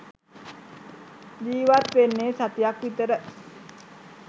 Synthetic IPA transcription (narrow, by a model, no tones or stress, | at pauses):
d͡ʒiːʋat̪ʋenːeːsat̪ijakʋit̪əɾə